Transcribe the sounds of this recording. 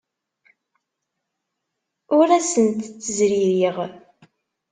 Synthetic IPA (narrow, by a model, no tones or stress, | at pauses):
ʊɾæsənt̪t͡sːəzɾiɾiʁ